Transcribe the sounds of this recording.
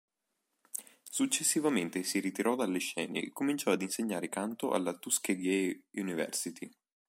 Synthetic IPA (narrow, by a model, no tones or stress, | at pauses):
sut͡ʃːesːivament̪esiɾit̪iɾʔɔd̪alːeʃːɛ̰ːnḛːkːomint͡ʃɔad̪inseɲːaːɾekant̪oʔa̰lːat̪uskeɡɛjunivɛ̰rsit̪ʰi